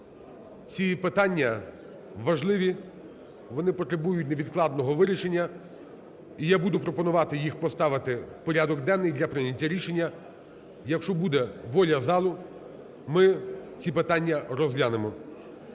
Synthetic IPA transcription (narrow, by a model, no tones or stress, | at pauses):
t͡sʲipɪt̪ɑnʲːɐ | ʋɐʒlˠɪʋʲi | ʋɔnɪpɔt̪ɾebujʊtʲneʋʲid̪klˠɑd̪nɔɦɔʋɪɾʲiʃe̞nʲːɐ | ijabud̪ʊpɾɔpɔnʊʋɑt̪ɪjixpɔst̪ɑʋɪt̪ɪwpɔɾʲad̪ɔɡd̪ɛnːɪjd̪lʲɐpɾɪnʲɐtʲːɐɾʲiʃenʲːɐ | jɐkʃt͡ʃɔbud̪ɛʋɔlʲɐzɑlˠʊ | mɪt͡sʲipɪt̪ɑnʲːɐɾɔzlʲanɪmɔ